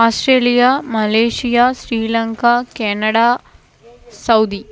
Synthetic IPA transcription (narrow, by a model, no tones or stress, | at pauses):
aːsʈɾeːlijaːmɐleːʂijaːsɾiːlɐŋkaːkeːnɐɽaː | sɐwd̪i